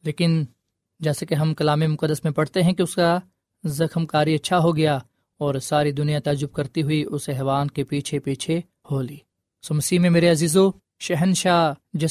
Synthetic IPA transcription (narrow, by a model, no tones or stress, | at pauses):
leːkɪn | d͡ʒɛːsakeɦɐmkɐlaːmemʊqəd̪ːəsmẽpɐɽ̤t̪eɦɛ̃kiʊska | zɐxmkaːɾiɐtːʃʰaɦoɡɐja | ɔːɾsaːɾid̪ʊnijat̪aːd͡ʒʊb̚kɐɾt̪iɦʊiʔʊsɛɦʋaːnkepiːt͡ʃʰepiːt͡ʃʰe | hoːliː | soːmɐsiːɦmẽmeːɾeɐziːzo | ʃɛɦənʃaːd͡ʒɛ